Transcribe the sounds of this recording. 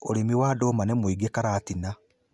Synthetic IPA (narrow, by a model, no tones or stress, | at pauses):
oɾemiwaːdoːmanemwiɡekaɾaːtina